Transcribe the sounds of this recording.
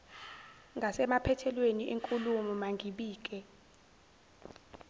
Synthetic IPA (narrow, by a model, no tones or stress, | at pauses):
ŋɡʱasɛmapʰɛtʰɛlweniʔeŋkʼulumɔmaŋʱiɓiːk̬ʼɛ